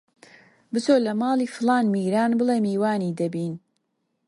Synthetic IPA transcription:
bɨt͡soːlɐmaːlˠiːfɨlaːnmiːɾaːnbɨleːmiːwaːniːd̪ɐbiːn

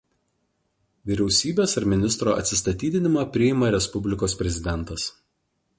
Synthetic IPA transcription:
ʋʲiɾʲɛʊsʲiːbʲeːsɐɾmʲɪnʲɪst̪ɾoːɐ̰t̪ʲsʲɪst̪ɐt̪ʲiːd̪ʲɪnʲɪmɑpʲɾʲɪɪmɐɾʲɛspʊbʲlʲɪkoːspʲɾʲɛzʲɪd̪ʲɛnt̪ɐs

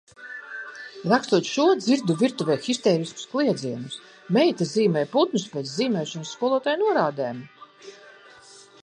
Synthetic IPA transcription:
ɾakst̪uɔt̪ʃuɔd̪ziɾd̪uvʲiɾt̪uvʲɛːxist̪ɛːɾisku̥sklˠiɛd̪ziɛnus | mɛjt̪aziːmɛjput̪nuspʲɛːt̪sziːmɛːʃɔnsːkuɔlˠuɔt̪ajnuɔɾaːd̪ɛːm

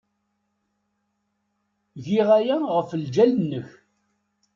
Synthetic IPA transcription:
ʝiʁæjæʁəfəld͡ʒælənːəç

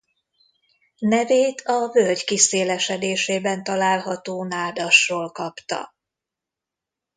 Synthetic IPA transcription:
nɛveːt̪ʰɒvølɟkiseːlɛʃɛd̪eːʃeːbɛnt̪ɒlaːlɦɒt̪oːnaːd̪ɒʃroːlkɒpt̪ɒ̰

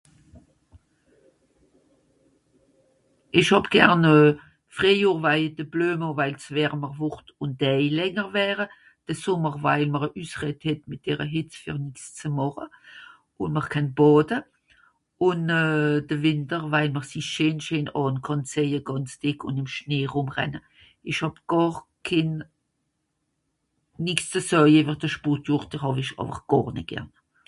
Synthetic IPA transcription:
ʔɪʃhɑbɡ̥ɛʁnə | fʁeɪjuːʁvaɪd̥əb̥løːməvaɪlsvɛːʁəməʁvʊχtʊnd̥ɛɪlɛŋəʁvɛːʁə | d̥əsʊməʁvaɪlməʁəʔyːsʁɛthɛtmɪt̚d̥ɛːʁəɦɪt͡sfyːʁnɪkst͡səmɑχə | ʊnməʁkʰɛnbɑːdə | ʊnːd̥əvɪntəʁvaɪlməʁsiʃeːnʃeːnɑːnkʰɑnt͡seəɡ̥ɑnt͡sd̥ɪkʰʊ̰ndɪmʃneːʁʊmʁɛ̰nə | ɪʃhɑbɡ̥ɑːʁ | kʰɪn | nɪkst͡səsœevəʁd̥əʃputjʊʁtɪʁhɑvɪʃɑ̰ːfə̰χɡ̥ɑːʁnɪ̰t̚ɡ̥ɛ̰ʁn

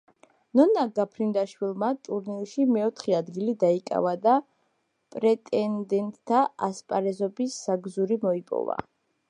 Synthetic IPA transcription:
nɔnaɡapʰɾind̪aʃwilˠmat̪ʼuɾniʃimɛɔt̪ʰχɛad̪ɡilid̪aikʼa̰vad̪a | pʼɾɛt̪ʼɛnd̪ɛnt̪ʼt̪ʰːaaspʼaɾɛzɔbisːaɡzuɾimɔipʼɔ̰va̰

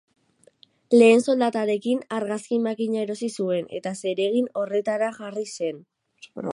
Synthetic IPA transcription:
le̞ːnso̞ld̪at̪aɾe̞kinaɾɣaskimakiɲaeɾo̞sisue̞ne̞̰t̪ase̞ɾe̞ɣ̞ino̞re̞t̪aɾaʝarise̞n

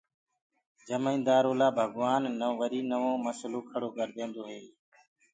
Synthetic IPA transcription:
d͡ʒəmeĩːnd̪aːɾoːlaːbʱəɡʋaːnːəʋʋəɾiːnəʋõːməsloːkʰəɽoːkəɾd̪ẽːnd̪oːɦeː

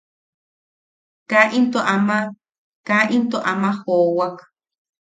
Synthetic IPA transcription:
kaʔint̪oʔama | kaʔint̪oʔamahoːwak

